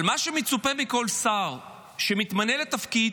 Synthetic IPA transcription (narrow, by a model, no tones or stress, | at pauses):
lmaʃemet͡supemiko̞lsaʁ | ʃemit̪mane̞let̪afki